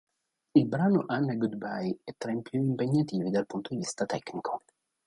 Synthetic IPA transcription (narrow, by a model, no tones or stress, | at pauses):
ilbɾaːnoʔanːeɡud̪bajɛt̪ːɾajmpjuimpeɲːat̪iːvid̪alpunt̪od̪ivist̪at̪ɛknikʰo̥